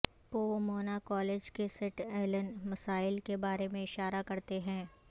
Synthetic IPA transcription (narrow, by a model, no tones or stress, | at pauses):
poːmoːnakɔːleːd͡ʒkesɪʈɛːlənmɐsaːɪlkebaːɾemẽɪʃaːɾakɐɾt̪eɦɛ̃ː